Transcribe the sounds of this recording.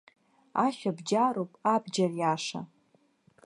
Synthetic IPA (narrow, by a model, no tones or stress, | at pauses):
aʃᶣabd͡ʒaɾowpʼabd͡ʒarjaʂa̰